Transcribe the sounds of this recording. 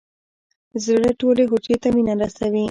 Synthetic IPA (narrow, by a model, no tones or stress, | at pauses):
zɽəʈolexot͡ʃet̪aminamɾasawi